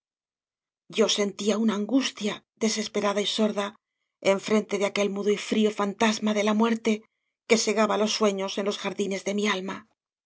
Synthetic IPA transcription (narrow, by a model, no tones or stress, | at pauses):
ɟ͡ʝo̞se̞nt̪iaunaːŋɡust̪ja | ðe̞se̞spe̞ɾaðaiso̞ɾða | e̞ɱfɾe̞nt̪e̞ðeake̞lmuðoifɾiofant̪azmaðe̞lamwe̞ɾt̪e̞ | ke̞se̞ɣaβalo̞sːwe̞ɲo̞se̞nlo̞sxaɾðine̞zðe̞mialma